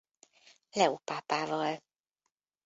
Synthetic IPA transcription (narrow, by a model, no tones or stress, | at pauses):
lɛupaːpaːvɒl